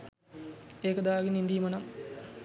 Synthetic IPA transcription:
eːkəd̪aːɡinind̪ijmɐnɐm

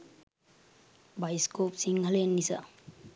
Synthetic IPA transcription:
bajskopsiŋhalenːisa̰

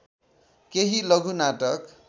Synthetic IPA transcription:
keɦilʌɡʱunaʈʌk

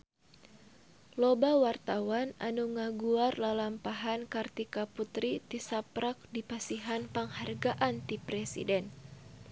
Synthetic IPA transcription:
lobawart̪awana̰nuŋaɡuarlalampaɦankart̪ikaput̪ɾit̪isapɾak̚dipasiɦanpaŋharɡaʔant̪ipɾɛsḭdɛn

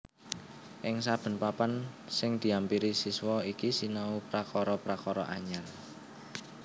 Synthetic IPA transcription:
ʔɪŋsab̥ə̤npapansɪŋd̪̥i̤ampiɾisiswɔikisinaupɾakɔɾɔpɾakɔɾɔ̰ʔaɲar

